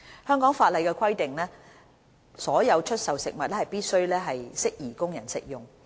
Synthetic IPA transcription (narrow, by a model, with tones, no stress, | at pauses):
hœː˥ŋkɔː˨˥ŋfaː˧t̚lɐ˨˧jkɛː˧kʰwɐ˥jt̪ɪ˨ŋlɛː˥ | sɔː˨˥jɐ˨˧wt͡ʃʰɵ˥t̚sɐ˨wsɪ˨k̚mɐ˨t̚lɛː˥hɐ˨jpiː˥t̚sɵ˥ɥlɛː˥ɦɐ˨jsɪ˥k̚jiː˨˩kʊ˥ŋjɐ˨˩nsɪ̰˨k̚jʊ˨˩ŋ